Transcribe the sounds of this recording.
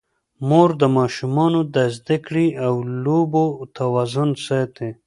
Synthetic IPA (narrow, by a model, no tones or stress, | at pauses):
moɾd̪əmɑːʃumɑnod̪azd̪ɪkɽiawlobot̪ʰawaːzʊnset̪e